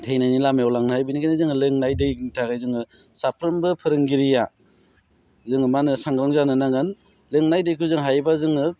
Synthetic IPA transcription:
tʰejnajnilameɔlaŋnɯhajbinikʰajnɯzɯŋɯlɯŋnajdɯjnitʰaɡajzɯŋɯ | sapʰɾɯmbɯpʰɯɾɯŋɡiɾija | zɯŋɯmanɯsaŋɡɾɯŋzanɯnaŋɯn | lɯŋnajdɯjkʰuzɯŋɦajbazɯŋɯ

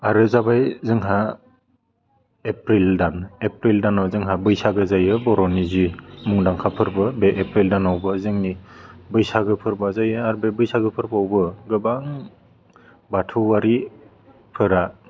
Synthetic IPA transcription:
aɾɯzabajzɯŋɦa | epɾildanepɾildanɔzɯŋɦabɯjsaɡɯzajɯbɔɾɔnizimuŋdaŋkʰapʰɯɾbɯbeʔepɾildanawbɯzɯŋnibɯjsaɡɯpʰɯɾbazajɯaɾbebɯjsaɡɯpʰɯɾbaawbɯɡɯbaŋ | batʰuwaɾi | pʰɯɾa

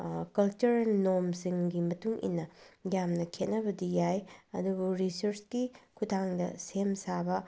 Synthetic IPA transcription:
kɐlt͡ʃuɾɐlnomsiŋɡimɐtuŋʔḭnːɐjamnɐkʰet̚nɐbɐdijajɐdubuɾisɐɾsɡikʰutʰaŋdɐsemsabɐ

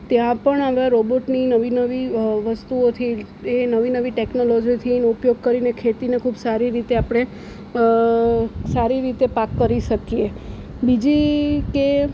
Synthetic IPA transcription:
t̪jãpəɳaʋãɾoboʈninəʋinəʋiʋəst̪uot̪ʰi | enəʋinəʋiʈeknolod͡ʒit̪ʰineupjoɡ̚kəɾinekʰet̪inekʰuːbsaɾiɾit̪eapɽ̃e | saɾiɾit̪epakːəɾiʃəkije | bid͡ʒike

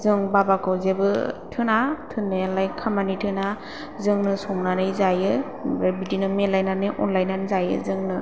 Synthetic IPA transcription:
zɯŋbabakʰawzebɯtʰɯnatʰɯnːelajkʰamanitʰɯna | zɯŋnɯsɔŋnanɯjzajɯ | ɾabidinɯmelajnanɯjʔɔ̰nlajnanzajɯ̰zɯŋnɯ

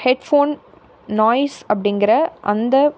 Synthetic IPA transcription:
hɛɖfoːn | nɔːɪsɐp̬ːɐɽɪnɡɪɾɐʔɐnd̪ɐ

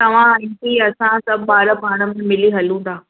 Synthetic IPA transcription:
tt̪ɐʋ̤ãĩkiɐsãt̪ɐɓaːɾə̆paːɽ̃ə̆mẽmɪliɦɐlũːnd̪aː

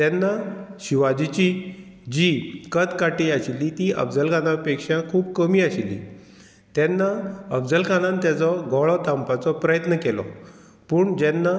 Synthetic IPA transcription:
t̪jɛnːaɕiʋad͡ʑit͡ɕi | d͡ʑikət̪kaʈiaɕilːit̪iʔə̰bd͡zəlkʰanapekʂakʰuːbkəmiːaɕilːḭ | t̪jɛnːaəbd͡zəlkʰanãnt̪jat͡sɔɡɔɭɔt̪ampat͡sɔpɾəjət̪nəkɛlɔ̰ | puːɳd͡ʑɛnːa

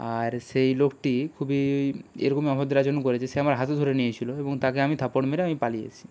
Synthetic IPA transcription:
aɾʃejlokʈikʰubiḛɾokomiapʰod̪ʱːeɾad͡ʑonokoɾet͡ɕʰeʃeamaɾɦat̪ed̪ʱoɾenijet͡ɕʰiloeboŋt̪akeamit̪ʰapoɽmeɾeamipalijḛt͡ɕʰi̥

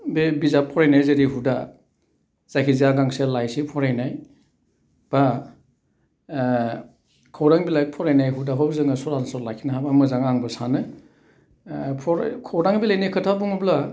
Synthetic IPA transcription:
bebizapʰɔɾajnajzeɾiɦuda | z̥ajkʰizijaɡaŋselajsipʰɔɾajnaj | b̥a | kʰɔwɾaŋbilaj̚pʰɔɾajnajɦudaɦɔbzɯŋɯsɔɾansɔlakʰinaɦabamɯzaŋaŋbɯsanɯ | pʰɔɾ̰kʰɔwdaŋbilajnajkʰɯtʰabuŋubla

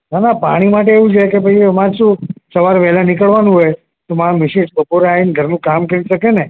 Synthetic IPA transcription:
ɦanapaɽ̃imaʈ̬eeʋũt͡ʃʰekebʱəimãt͡ʃũsəʋaɾpɛɦlanikəɭʋanũɦoj | t̪omãmɪʃiʈbəpoɾeainɡʱəɾnũkamkəɾiʃəkene

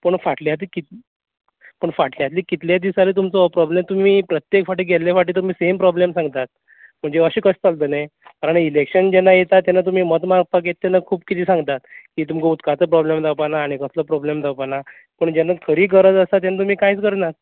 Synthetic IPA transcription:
pəɳfaʈʰljat̪iːkit̪ | pəɳfaʈʰljat̪liːkit̪ljad̪isalet̪umt͡səpɾɔblemt̪um̤iːpɾət̪jekfaʈiːɡʱelljefaʈ̬iːt̪̬um̤iːsempɾɔblemsãŋɡt̪at̪̚ | m̤əɳd͡zeəɕiːkəst͡salt̪̬ənajkaɾəɳilekɕənd͡ʑɛnːajet̪at̪jɛnat̪̬um̤iːmət̪maɾɡ̚pakjet̪ːjanakʰuːb̚kit̪ʰiːsãŋɡt̪at̪kiːt̪̬umkəut̪kat͡səpɾɔblemd̪ʱawpanaːɽ̃ikəsləpɾɔblemd̪ʱapana | pəɳd͡ʑɛnːakʰəɾiːkəɾət̪əsat̪̬janat̪um̤iːkajt͡skəɾnat̪̚

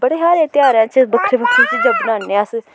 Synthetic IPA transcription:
bəɽeːɦaːɾẽːt̪ɪjaːɾãːt͡ʃbəkʰɾeːbəkʰɾẽːt͡ʃd͡ʒəbnaːnẽəs

